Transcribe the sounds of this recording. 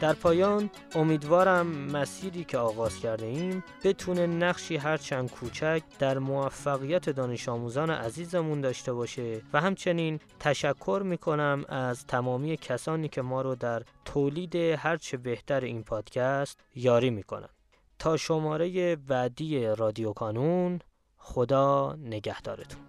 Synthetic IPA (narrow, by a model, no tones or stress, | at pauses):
d̪̥æɾpʰɒːjɒːn | o̞miːd̪vɒːɾæmːæsiːɾiːcʰe̞ɒːɣɒːz̥cʰæɾd̪eiːmbe̞t̪ʰuːne̞næɣʃiːɦæɾt͡ʃʰænd̪̥̚kʰuːt͡ʃʰæcʰd̪̥æɾmoæfːæɣijæt̪ʰe̞d̪ɒːne̞ʃɒːmuːzɒːnḛʔæziːzemund̪ɒːʃt̪e̞βɒːʃevæhæmt͡ʃʰe̞niːnt̪ʰæʃækʰːo̞ɾmiːkʰo̞næmæzt̪ʰæmɒːmijecʰæsɒːniːcʰe̞mɒːɾod̪æɾt̪ʰoːliːd̪e̞hæɾt͡ʃʰe̞be̞ht̪ʰæɾeiːnpʰɒːd̪̥cʰæst̪jɒːɾiːmiːkʰo̰næ̰n | t̪ʰɒːʃo̞mɒːɾe̞jebæd̪ije̞rɒːd̪ijokʰɒːnun | χo̞d̪ɒːne̞ɟæhd̪̥ɒ̰ːɾet̪ʰu̥nn